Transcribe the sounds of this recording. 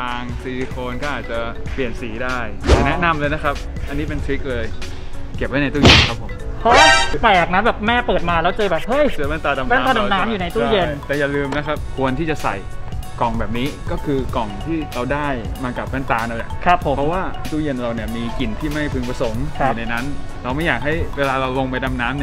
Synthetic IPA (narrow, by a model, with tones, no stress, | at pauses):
aː˧ŋsiː˨˩kʰoː˧nkɔː˥˩ʔaː˨˩t̪̚t͡ɕa˨˩ | pli˨˩ənsiː˩˦daː˥˩jnɛ˦˥na˧mlɤː˧jna˦˥kʰa˦˥p̚ | ʔa˧nːi˦˥p̬e˧nt̪ʰɾi˦˥k̚lɤː˧j | ke˨˩p̚ha˥˩n˧jt̪uː˥˩je˧nkʰa˦˥pʰːo˩˦mhʰo˦˥pɛː˨˩a˨˩k̚na˦˥nbɛː˨˩p̚mɛː˥˩pɤː˨˩t̪̚maː˧lɛː˦˥wt͡ɕɤː˧bɛː˨˩p̚hɤ˥˩jpʰa˥˩nt̪aː˧da˧mn˦˥˦aː˧˩da˧naː˦˥mjuː˨˩na˧jt̪uː˥˩˥je˧nt̪ɛː˨˩jaː˨˩lɯː˧mna˦˥kʰa˦˥p̚kʰu˧ənt̪ʰiː˥˩t͡ɕa˨˩sa̰˨˩jkɔ˨˩ŋbɛː˨˩p̚niː˦˥kɔː˥˩kʰɯː˧kɔ˨˩ŋt̪ʰiː˥˩ɾa˧wdaː˥˩jmaː˧ka˨˩p̚maː˦˥˩nt̪aː˧na˧˩na˨˩kʰa˦˥pʰːpʰɔ˦˥waː˥˩t̪uː˥˩je˧nɾa˧wni˥˩ɐmiː˧ki˨˩nt̪ʰiː˥˩ma˥˩jpʰɯ˧ŋpa˧so˩˦mʰu˧˨˩na˧jna˦˥n | ɾa˧wma˥˩jaː˨˩k̚ɦa˥˩jweː˧laː˧ɾa˧wlo˧ŋpa˧jda˧mnaː˦˥mni˥˩